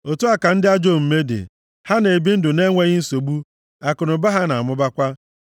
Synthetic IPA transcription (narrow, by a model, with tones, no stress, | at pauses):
o˨tu˦a˦ka˨n̩˦dɪ˦a˦d͡ʒo˦˨m̩˨me˦dɪ̰˨ | ha˦ne˨bi˦n̩˦dʊ˨ne˦ŋʷe˦ɣɪ˦n̩˦so˨ɡ͡bu˦ | a˨kʊ˨nʊ˨ba˦ɦa˦na˨a˨mʊ˦ba˦kʷa˦